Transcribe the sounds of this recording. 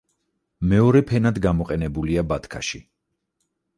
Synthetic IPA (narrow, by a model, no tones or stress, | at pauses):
mɛɔɾɛpʰɛnad̪ɡamɔqʼɛnɛbuliabat̪ʰkʰa̰ʃi